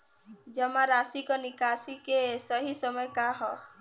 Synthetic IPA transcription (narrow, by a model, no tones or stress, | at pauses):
d͡ʒɔmaɾasikɔnikasikesɔɦisɔmɔjkaɦɔ